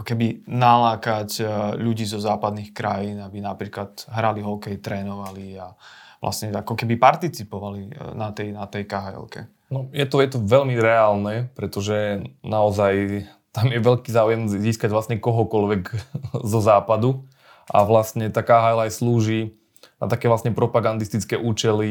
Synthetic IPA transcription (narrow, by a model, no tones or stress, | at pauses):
akɔkɛbinalaːkacʎuɟiːzɔzaːpad̪nixkɾajiːnabinapɾiːklat̪ɦɾaliɦɔkɛjt̪ɾɛːnɔʋalia | ʋla̰sɲɛa̰kɔkɛbipaɾt̪it͡sipɔʋalinat̪ɛjnat̪ɛjkaɦajɛ̰lkɛ̰ | nɔjɛt̪ɔjɛt̪ɔʋɛlmiɾɛaːlnɛpɾɛt̪ɔʒɛnaɔzaj | t̪amjɛʋɛʎkiːzaːujɛmziːskaɟʋlasɲɛkɔɦɔkɔlʋɛɡzɔzaːpad̪u | ʔa̰ʋlastɲɛt̪aːkaɦajlajsluːʒiː | na̰t̪akɛːʋlasɲɛpɾɔpaɡand̪ist̪it͡skɛːʔuːt͡ʃɛli